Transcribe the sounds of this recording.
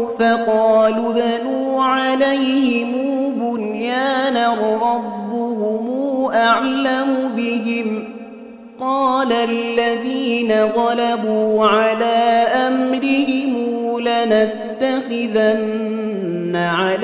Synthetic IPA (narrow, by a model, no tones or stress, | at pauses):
fɑqɑːluðanuːʕalajhɪmuːbʊnjaːnaɣɾˤɑbːʊhʊmuːʔaʕlamʊbɪɦɪm | qɑːlalːaðiːnat̪ˤɑlabuːʕalaːʔamɾɪhɪmlanatt̪ːaxɪðanː | aʕal